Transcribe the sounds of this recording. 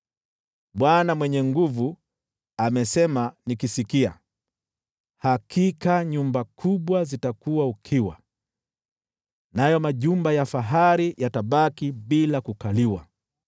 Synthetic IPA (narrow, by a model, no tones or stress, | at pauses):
ɓwanamwɛɲɛŋɡuvu | amɛsɛmanikisikia̰ | hakʰikaɲumbakʰuɓwazitakuwaukʰiwa | najɔmaʄumbajafaɦaɾijʔataɓakiɓilakukaliwa̰